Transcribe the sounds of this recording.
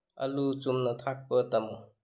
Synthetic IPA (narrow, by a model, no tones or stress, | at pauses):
ɐ̰lut͡ʃumnɐt̪ʰak̚pətɐm